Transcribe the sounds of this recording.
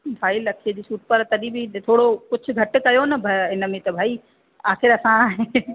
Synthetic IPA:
bʱaːilɐkʰed̪iːsuːʈ̚pɐɾt̪ɐɗĩbʱit̪ʰoːɽokʊt͡ʃʰʊɡʱɐʈkɐjonɐbʱɐɪnmẽt̪ɐbʱaːi | aːxɪɾɐsãːɦe

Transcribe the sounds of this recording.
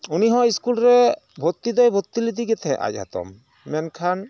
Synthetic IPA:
uniɦɔ̃iskulɾɛ | bʱot̪ːid̪ɔjbʱot̪ːilid̪iɡɛt̪ʰɛ̃ʔa̰c̚ˀɦa̰t̪ɔ̰mː | ɛnkʰan

